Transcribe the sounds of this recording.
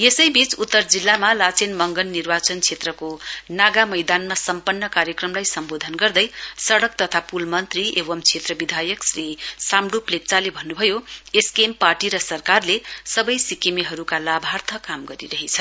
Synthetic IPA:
esʌjbit͡sut̪ːʌrd͡zilːamalat͡senmʌŋɡʌnːirbat͡sʌnt͡sʰet̪rʌkonaɡamʌjd̪anmasʌmpʌnːʌkaɾjʌkrʌmlajsʌmbod̪ʱʌnɡʌrd̪ʌjsʌɽʌk̚t̪ʌt̪ʰapulmʌnt̪riewʌmt͡sʰet̪rʌbid̪ʱajʌksrisamɽuplek̚t͡salebʱʌnːubʱʌjoeskemparʈiɾʌsʌrkarlesʌbʌjsikemiɦʌɾukalabʱart̪ʰʌkamɡʌɾḭɾʌɦit͡sʰʌ

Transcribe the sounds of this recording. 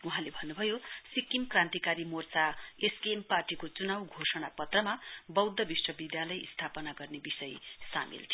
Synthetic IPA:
uɦãlebʱʌnːubʱʌjosikːimkrãnt̪ikaɾimort͡saeskemparʈikot͡sunawɡʱosʌɽ̃apʌt̪rʌmabʌwd̪ʱːʌbiswʌbid̪jalʌjḭst̪ʰapʌnaɡʌrnebisʌjsa̰mḭlt̪ʰ

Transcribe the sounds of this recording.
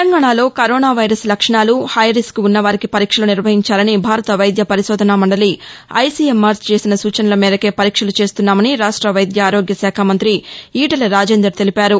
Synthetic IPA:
eɐŋɡaːɳaːlo̞ːkɐɾoːnaːʋɐjɾɐslɐkʂɐɳaːluhɐjɾiskuunːɐʋaːɾikipɐɾiːkʂɐluniɾʋɐɦiɲt͡ʃaːlɐnibʱaːɾɐt̪ɐʋɐjd̪jɐpɐɾiʃɔːd̪ʱɐnaːmɐɳɖɐliɐ̰jsiːemːaːɾt͡ʃt͡ʃe̞ːsinɐsuːt͡ʃɐnɐlɐmiːɾɐke̞ːpɐɾiːkʂɐlut͡ʃe̞ːst̪unːaːmɐniɾaːʂʈɾɐʋɐjd̪jɐaːɾo̞ːɡjɐsaːkʰaːmɐnt̪ɾiiːʈɐlɐɾaːd͡ʒeːnd̪ɾɐɾt̪e̞lipaːɾu

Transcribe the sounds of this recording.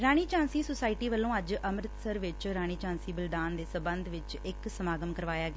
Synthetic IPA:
ɾaːɳ̃iːt͡ʃãːnsiːsʊsaːiʈiːʋəlːõːəd͡ʒəmɾɪt̪səɾʋɪt͡ʃɾaːɳ̃iːt͡ʃãːnsiːbəlɖaːnd̪eːsəbənd̪ʋɪt͡ʃ | ɪksəmaːɡəmkəɾʋaːjaːɡ

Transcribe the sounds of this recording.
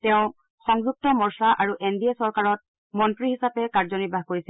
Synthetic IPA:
tɛʊ̃ | xɔŋzuk̚tɔmɔɹsaʔaɹuʔendiesɔɹkaɹɔt̚ | mɔntɹihisapɛkaɹzɔnibʱaɦkoɹisil

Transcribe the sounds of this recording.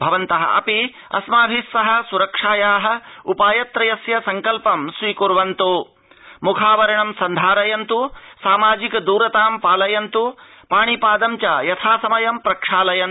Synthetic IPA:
bʱɐʋɐnt̪ɐɦɐ̰ʔɐ̰pi | ɐ̰smaːbʱisːɐɦɐ̆suɾɐkʂaːjaːɦɐ̆upaːjɐt̪ɾɐjɐsjɐsɐŋkɐlpɐmsʋiːkuɾʋɐnt̪u | mukʰaːʋɐɾɐɳɐmsɐnd̪ʱaːɾɐjɐnt̪usaːmaːd͡ʒikɐd̪uːɾɐt̪aːmpaːlɐjɐnt̪u | paːɳipaːd̪ɐmt͡ʃajɐt̪ʰaːsɐmɐjɐmpɾɐkʂaːlɐjɐn

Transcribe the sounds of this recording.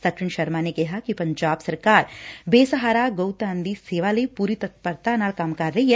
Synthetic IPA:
sɐkʃiɳʃɐɾmaːnekeɦɐkipɐɲd͡ʒaːbsɐɾkaːɾbeːsɐɦaːɾaːɡɐwt̪aːnd̪iseːʋaːlɐjpuɾit̪ɐt̪̚pɐɾt̪aːnaːlkaːmkaːɾːɐje

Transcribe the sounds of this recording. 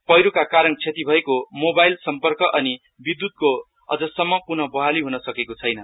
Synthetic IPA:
pʌjɾokakaɾʌnt͡sʰet̪ibʱʌekomobajlsʌmpʌrkʌʔʌni | bid̪ːud̪̚ko | ʌ̰d͡zʌsʌmːʌpunʌbʌɦaliɦunʌsʌkekot͡sʰʌjnʌ

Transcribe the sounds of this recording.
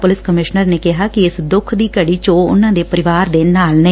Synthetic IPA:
pʊlɪskəmɪʃnəɾneːkɪɦaːkɪɪsd̪ʊkʰd̪iːkəɽiːt͡ʃoːʊ̰nãːd̪eːpəɾɪʋaːɾd̪eːnaːlnə̃

